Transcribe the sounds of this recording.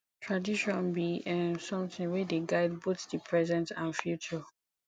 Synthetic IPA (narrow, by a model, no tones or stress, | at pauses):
tʰɹadiʃɔ̃nbiʔɛ̃nsɔ̃mθɪ̃ŋwɛdeɡaɪd̚boθdəpʰɹɛzɛ̃ntãnfjut͡ʃɔ